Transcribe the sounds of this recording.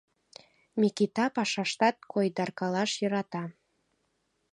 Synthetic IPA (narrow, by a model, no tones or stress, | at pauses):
mikit̪ɑpɑʃɑʃt̪ɑt̪̚kʰojd̪ɑrkɑlɑʃjɤɾɑt̪ɑ